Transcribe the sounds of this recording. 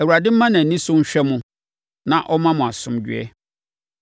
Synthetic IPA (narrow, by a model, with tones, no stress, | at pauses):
æ˨wu˨ɾa˨dɪ̃˦m̩˦mã˦nã˨nĩ˦sʊ̃˦ɕᶣɛ˦mʊ̃˨ | nã˨ʔɔ˦mã˦mʊ̃˨a˨sʊ̃˦md͡ʑɥ̰ɛ̰˦